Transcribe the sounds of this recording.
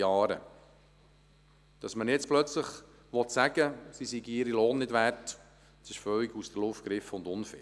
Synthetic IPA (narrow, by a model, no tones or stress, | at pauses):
ɑːɾə̰ | d̥ɑsmənjɛt͡splœt͡sləχ | ʋɔtsæɡ̥əsisiɡiɪɾiloːnːɪdʋært | sɪʃfœliɡusd̥̪ərlʊftɡ̥ɾɪfəʊnd̪ʊnfɪ̰